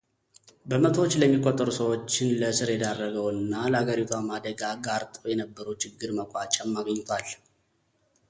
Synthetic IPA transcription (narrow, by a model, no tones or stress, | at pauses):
bəmət̪ʰowot͡ʃːləmːikʼːot̪ʼːəɾusəwo̞t͡ʃːɪnləsɨɾjɛd̪arːəɡəwɨnːaləhaɡəɾit̪ʰuwamad̪əɡaɡaɾt̪ʼojɛnəbːəɾəwt͡ʃʰɪɡːɨɾməkʼat͡ʃʼamːaɡəɲːt̪ʰwal